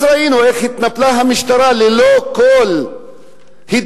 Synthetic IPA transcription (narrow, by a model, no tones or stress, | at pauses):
ɾainoexit̪nɐplaɦɐmiʃt̪ɐɾaːlilokol | hid̪